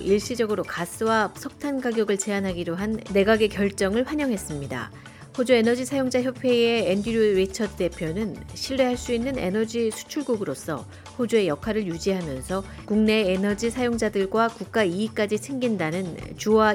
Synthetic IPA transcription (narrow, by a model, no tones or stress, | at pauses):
iɭɕ͈id͡ʑʌɡɯɾokas͈ʰɯwasʰʌk̚tʰanɡaɡjʌɡɯɭt͡ɕe̞anɦaɡiɾoɦanːe̞ɡaɡe̞kjʌɭt͡ɕ͈ʌŋɯɭɸwaɲʌŋɦe̞s͈ɯmɲida̰ | hod͡ʑue̞nʌd͡ʑisʰajoŋd͡ʑaçjʌpʰwe̞eːndiɾuɾet͡ɕʰʌdɯte̞pʰjonɯnɕʰiɭːe̞ɦaɭs͈uinːɯne̞̰nʌd͡ʑisʰu̥t͡ɕʰuɭɡuɡɯɾos͈ʰʌ̰ | ɸod͡ʑue̞jʌkʰwaɾɯɭjud͡ʑiɦamjʌnsʰʌ | kuŋne̞ːnʌd͡ʑisʰajoŋd͡ʑadɯɭɡwakuk̚k͈aiːk͈ad͡ʑisʰeŋɡindanɯnt͡ɕuwa